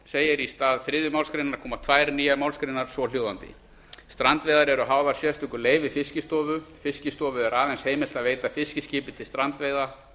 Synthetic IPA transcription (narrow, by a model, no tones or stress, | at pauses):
seːjɪɾist̪aːðfɾɪðɪmawlskɾejnaɾ̥kʰɔːmat̪ʰvajɾniːjamawlskɾejnːaɾ̥svɔljoːwðant̪ɪ̰ | st̪ɾant̪vejðaɾɛɾʏɦaːwvaɾ̥sjɛst̪ʏŋkʏɾleːjvɪfɪscɪst̪ɔːvʏfɪscɪst̪ɔːvʏɛɾaːvɛnsheːjmɪl̥t̪aðveːjt̪afɪscɪscɪːpɪt̪ʰɪlst̪ɾant̪vejða